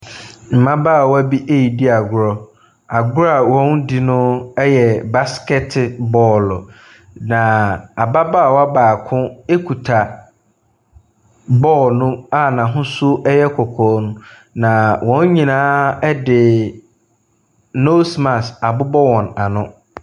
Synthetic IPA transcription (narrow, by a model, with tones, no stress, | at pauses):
m̩˨mã˦ba˦˨wɔ˦a˦bi˦ʔe˦ji˨di˦a˨ɡʊ˦ɾɔ˦ | a˨ɡʊ˦ɾa˨wɔ̃˦ndi˨nʊ̃˦ɛ˦jɛ˨ba˦skɛ˦tʰbɔː˦˨l | nã˨a˨ba˦baː˦˨wɔ˦a˦baː˨kʰʊ̃˦e˦kʰu˨tʰa˨ | bɔː˦˨lnʊ̃˦a˦nã˨ɦʊ̃˦sʊ˦ɛ˦jɛ˦kʰɔ˨kʰɔː˨˦nʊ̃˦ | nã˨wɔ̃˦n˦ɲĩ˨nãː˦ɛ˦dɪ˨ | no˦smã˨sa˨bʊ˦bɔ˦wɔ̃˨na˨nʊ̃˦